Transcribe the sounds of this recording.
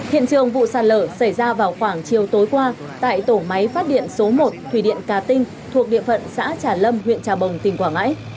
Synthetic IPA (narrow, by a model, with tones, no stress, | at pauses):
hḭ˧˨ənt͡ɕɨ˨˩əŋvṵ˧˨saː˨˩t̚ləː˧˩sa˧˩jzaː˧vaː˨˩wxwaː˧˩ŋt͡ɕi˨˩əwt̪o˨˦jkwaː˧ | t̪a̰ː˧˨jt̪o˧˩ma˨˦jfaː˦˥t̚ɗḭ˧˨ənso˨˦mo˨˩t̚t̪ʰwi˧˩ɗḭ˧˨ənkaː˨˦t̪ï˧ŋ̟ | t̪ʰu˨˩ək̚ɗḭ˧˨əfə̰˧˨nsa̰ː˧˥t͡ɕaː˧˩lə˧mhwḭ˧˨ənt͡ɕaː˨˩ɓə˨˩wŋ͡mt̪ï˨˩ŋ̟kwaː˧˩ŋa̰ː˧˥j